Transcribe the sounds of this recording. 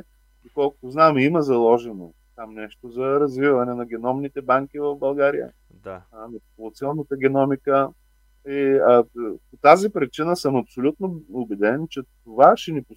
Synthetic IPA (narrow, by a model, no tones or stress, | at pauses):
d̪okɔlˠkʊ̥t̪ʊznamimɐzɐlˠɔʒɛno | t̪amnɛʃt̪ozɐɾɐzvivɐnɛnɐɡ̟ɛnɔmnit̪ɛbaŋkivɐvbɐlˠɡaɾijə̰ | d̪anɐppolˠt̪siɔnnət̪əɡʲɛnɔmikə | i | pot̪azipɾit͡ʃinəsəmɐpsolʲut̪noʊbɛd̪ɛnt͡ʃɛt̪ovaʃɛnipʊ